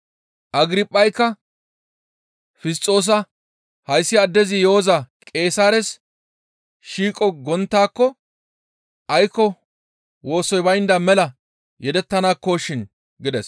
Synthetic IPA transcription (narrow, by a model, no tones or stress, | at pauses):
ʔɐɡɾɪpʼːɐjkːɐ | fɪst͡s̪ʼːo̞ːs̬ɐ | hɐjsːɪɐd̪ːɛzɪjoɔzɐkʼe̞ːsaːɾɛs | ʃiːkʼɔɡɔnt̪ːaːkːɔ | ʔɐjkːɔ | wo̞ːsɔjbɐjnd̪ɐmɛlɐ | jɛd̪ɛt̪ːɐnaːkːoːʃɪn | ɡɪd̪ɛs